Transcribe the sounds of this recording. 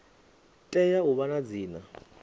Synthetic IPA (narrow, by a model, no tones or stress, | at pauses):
tʼɛjaʊβanad͡ziːna